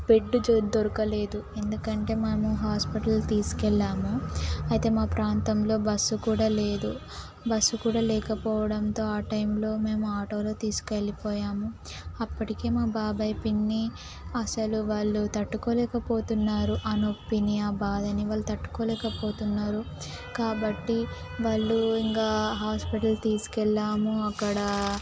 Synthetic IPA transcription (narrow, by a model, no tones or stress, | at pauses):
peɖːud͡ʒd̪oɾukɐle̞ːd̪ue̞nd̪ukɐɳʈe̞ːmemuɦaːspiʈɐlːt̪iːsu̥kɛɭːaːmuɐjt̪e̞ːmaːpɾaːnt̪ɐmlo̞ːbɐsːukuːɽaːle̞ːd̪u | bɐsːukuːɽaːlɛːkɐpɔːʋɐɽɐnt̪o̞ːaːʈɐjmlo̞ːme̞ːmuaːʈo̞ːlo̞ːt̪iːsu̥kelːipɔːjaːmu | ɐpːɐʈike̞ːmaːbaːbɐjpinːi | ɐsɐluʋaːɭːut̪ɐʈːukoːlɛːkɐpo̞ːt̪unːaːɾuʔɐnopːinijaːbaːd̪ɐniʋaːɭːut̪ɐʈːu̥koːlɛːkɐpo̞ːt̪unːaːɾu | kaːbɐʈːi | ʋaːɭːuiŋkaːɦaːspiʈɐlt̪iːsu̥kɛɭːaːmuɐkːɐɽɐ